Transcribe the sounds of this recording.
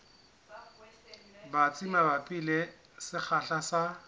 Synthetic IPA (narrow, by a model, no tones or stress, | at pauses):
bat͡sʼimabapʼile | sɪk͡xʰaɬasa